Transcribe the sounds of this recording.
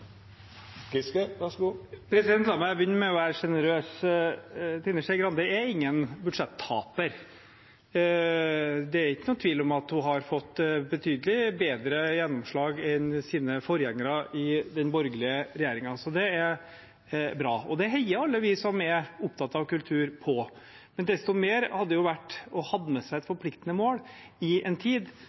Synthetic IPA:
kɪskəʋɑʂɡupʰɾɛsɪd̪ɛnt̪lɑmɑbjʏnːəɾmɛɔʋæːɾəʂɛnəɾøːs | t̪ʰɪnːəʂɛɪɡɾɑnd̪əɛɾɪŋːənbʉɖʂɛt̪ʰːɑ̰ːpəɾ | d̪ɛæɾɪkːənʊːt̪ʰʋiːlɔmɑt̪hʊɦɑɾfɔt̪ːbət̪ʰyːd̪əlɪbeːd̪ɾəjɛnːɔmʂɭɑːɡɛnsiːnəfɔɾjɛŋːəɾɑʔɪd̪ɛnbɔɾɡəlɪəɾɛjeːɾɪŋɑsɔd̪ɛæɾ | bɾɑːɔd̪ɛɦɛɪəɾɑlːəʋɪsɔmɛɾʊpt̪ʰɑt̪ɑʋkʉlt̪ʰʉːɾpʰɔ | mɛnd̪ɛst̪ɔmeːɾhɑd̪ːəjʊʋæʈːɔhɑd̪məsæɪɛt̪fɔɾpʰlɪkt̪ənəmoːɽ | ɪɛnt̪ʰiːd̪

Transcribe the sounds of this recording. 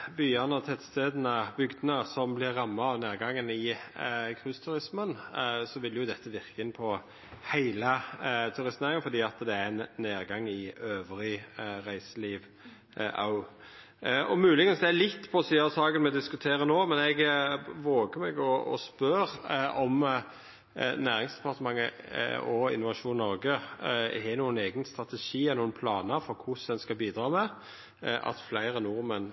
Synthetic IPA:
byːɑnəɔt̪ʰɛt̪st̪eːd̪ənəbʏɡd̪ənəsɔmblɪɾːɑmːɑɑʋneːʁɡɑŋːənɪkʰʁʉst̪ʰʉɾɪsmənsɔʋɪlːjʊd̪ɛt̪ʰːəʋɪʁkəɪnpʰɔ | hæɪlət̪ʰʉɾɪst̪neːɾɪŋənfɔɾd̪iːɑt̪d̪ɛænneːʁɡɑŋːɪøːʋɾɪɾæɪsəliːʋ | ʔɑ̰ʊ | ʔɔmʉːlɪɡənsd̪ɛælɪt̪ːpʰɔsiːɑsɑːɡənmɛd̪ɪskʉt̪ʰeːʁənoːmɛnɛɡʋoːɡəmɛɡɔɔ̰spœɾʔɔm | næːʁɪŋsd̪ɛ̥pʰɑʁt̪əmɑŋːə | ɔɪ̰nʊʋɑʃuːnnːɔɾɡəhɛnuːəneːɡənst̪ʁɑt̪ɛʃiːɛnuːənpʰlɑːnəɾfɔɾkʰʊsd̪ɛnskɑbiːd̪ʁɑːmɛ | ʔɑ̰t̪flæɪʁənʊɾmən

